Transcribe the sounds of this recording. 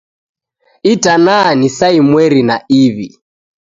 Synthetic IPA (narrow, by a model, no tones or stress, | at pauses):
itʼananisaimwɛɾinaiβi